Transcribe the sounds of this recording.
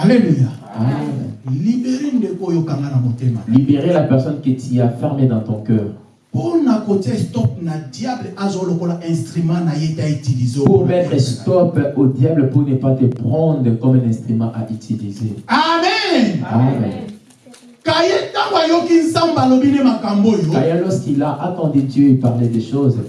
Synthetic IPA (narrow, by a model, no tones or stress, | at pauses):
aleluja | amɛlibeʁendekojokaŋɡanabotema̰libeʁelapɛʁsɔnkit̪iafɛʁmed̪ɑ̃t̪ɔ̃kœːʁ | ponakotestɔp̚nadjablʔazolokolaʔɛ̃stʁymãnajetaitilizeopuʁmɛt̪ʁɛst̪ɔpod̪jabləponepat̪epχɑ̃d̪ʁəkɔmɛ̃nɛ̃st̪χymɑ̃ʔaʔyt̪ʰilizeamɛamɛ̰̃n | kajetãbajokinsãmbalobinemakambojoajalɔskilaʔat̪ɑ̃d̪ed̪jøepaʁled̪ɛʃoz